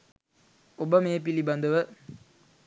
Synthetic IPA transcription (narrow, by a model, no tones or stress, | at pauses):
obəmeːp̬ilibɐnd̪əʋə